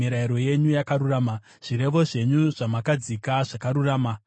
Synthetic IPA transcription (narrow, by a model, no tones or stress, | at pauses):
iɾaiɾo̞je̞ɲujakaɾuraːma | ʐ̥iɾe̞ʋo̞ʐe̞ɲuʐamakad͡zikaʐakaɾuraːma